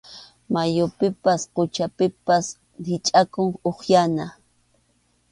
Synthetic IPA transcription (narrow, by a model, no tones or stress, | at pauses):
majʊpɪpasqʊt͡ʃapɪpas | ɾɪt͡ʃʼakʊŋoχjana